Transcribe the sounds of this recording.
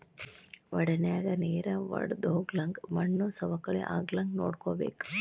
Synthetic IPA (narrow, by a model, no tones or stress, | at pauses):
ʋɐɽɐnɛjaːɡɐneːɾɐʋɐ̰ɽd̪oːɡlɐŋɡmɐɳːusɐʋɐkːɐɭḛʔaːɡlɐŋɡno̰ːɽkoːbeːku̥